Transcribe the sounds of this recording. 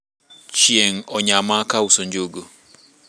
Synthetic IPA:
t͡ʃieŋ̩ɔɲaamaakauson̩d͡ʒooɡo

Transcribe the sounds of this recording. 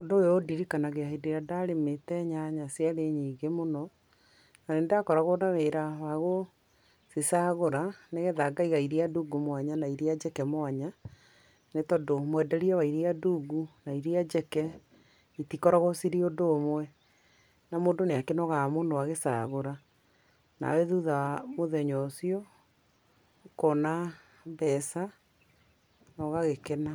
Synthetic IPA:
odoeodiɾikanaɣeaideɾadaɾemetɛɲaɲasjaɾeɲiːɡemonɔ | naneːndeakɔɾaɣonaweɾawaɣo | sesaɣoɾaneɣɛðaɡaiɣaiɾiaduɡumwaɲanaiɾead͡ʒɛkɛmwaɲa | netɔdomwɛdɛɾiawaiɾiaduːɡunaiɾiad͡ʒɛkɛ | itikɔɾɔɣɔsiɾiodoːmwɛ | namoːndoneakɛnɔɣamoːndowaɣesa̰ɣoɾa | na̰wɛðuðamoðɛɲɔsiɔ | kɔna | bɛsa | nɔɣaɣekɛna

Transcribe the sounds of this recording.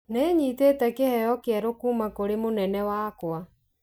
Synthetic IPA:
neɲiːteːtɛkehɛjɔkeɛɾokuːmakoɾemonɛnɛwaːkwa

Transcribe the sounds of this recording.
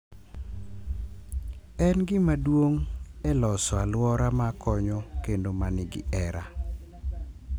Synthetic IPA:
ɛnɡɪmadwoŋɛlɔsɔalwɔɾamakɔɲɔkendomanɪɡɪ̰ɛɾa̰

